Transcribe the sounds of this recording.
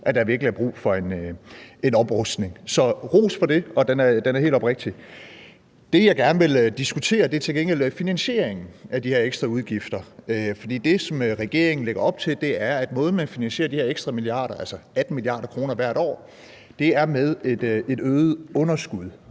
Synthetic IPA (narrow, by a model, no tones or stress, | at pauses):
ʔæd̥ɑ̈ʋiɐɡ̥liæɐb̥ʁṵːfɒ̽e̝nøe̝nɒ̽b̥ʁɔsd̥ne̝ŋsɒ̽ʁo̝̰ːsfɒ̽ɾ̥e̝ɒ̽d̥enæɐd̥enæɐhe̝ːl̥ɒb̥ʁeɡ̥̚d̥i | d̥e̝jɑ̈ɪɡ̥æɐnəʋe̝ld̥isɡ̥ut͡sʰe̝̰ːɐd̥e̝æɐt͡sʰe̝lɡ̥eŋɡ̥el̰finænɕe̝̰ːɐeŋn̩ʔæd̥ihe̝ɐeɡ̥sd̥ʁɑ̈uðˠɡ̥ifd̥ɐøfɒ̽d̥ḭːd̥e̝sɒ̽møʁɛɡ̥e̝̰ɐe̝ŋn̩leɡ̥ɐɒ̽b̥̚t͡sʰe̝ld̥e̝æɐæd̥mɔ̽ːð̞̩ˠmænfinænɕe̝̰ːɐdiheɐeɡ̥sd̥ʁɑ̈miliɑ̰̈ːɾ̥ɐælsɐæd̥n̩miliɑ̰̈ːɾ̥ɐkʰʁo̝ːnɐʋæɐ̰ɾɒ̰ː | d̥e̝æɐmeð̞ˠe̝d̥e̝d̥øːð̩ˠɔ̽nɐsɡ̥uð̞ˠ